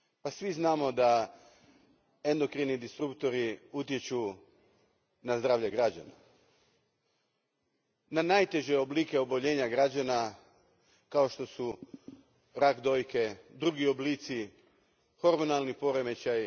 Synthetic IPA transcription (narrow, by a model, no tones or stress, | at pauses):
pasʋiznaːmo̞d̪a | e̞nd̪o̞kɾinid̪ist̪ɾupt̪o̞ɾiut̪je̞t͡ɕu | nazd̪ɾaːʋʎe̞ɡɾad͡ʒa̰na̰ | nanajt̪e̞ʒeobliːke̞o̞boʎe̞ːɲaɡɾad͡ʑana | kao̞ʃt̪o̞su | ɾakd̪o̞jke̞d̪ɾuɡio̞bliːt̪si | xo̞ɾmo̞nalˠnipo̞ɾe̞me̞t͡ɕaj